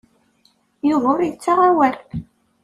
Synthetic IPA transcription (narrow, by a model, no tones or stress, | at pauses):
jʊðʊɾjət͡sːaʁawæɾ